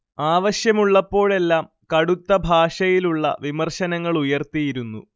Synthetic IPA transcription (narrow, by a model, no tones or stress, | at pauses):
aːʋɐɕjɐmuɭːɐpːo̞ːɭe̞lːaːm | kɐɽut̪ːɐbʱaːʂɐjiluɭːɐ̰ʋimɐrɕɐnɐŋːɐɭujɐrt̪ijiɾunːu